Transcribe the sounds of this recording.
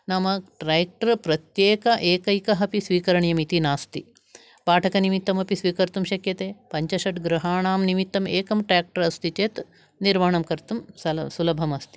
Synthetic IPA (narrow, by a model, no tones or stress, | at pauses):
nɐmɐʈɾaːjk̚ʈɐɾpɾɐt̪jeːkɐʔeːkɐjkɐɦɐpisʋiːkɐɾɐɳjɐmit̪inaːst̪i | paːʈʰɐkɐnimit̪ːɐmɐpisʋiːkɐɾt̪umʃɐkjɐt̪eːpɐɲt͡ʃɐʃɐʈɡɾɐɦaːɳaːmnimit̪ːɐmeːkɐmʈɾaːk̚ʈɐɾɐst̪it͡ʃeːt̪ | niɾmaːɐɳɐmkɐɾt̪umsɐsulɐbʱɐmɐst̪i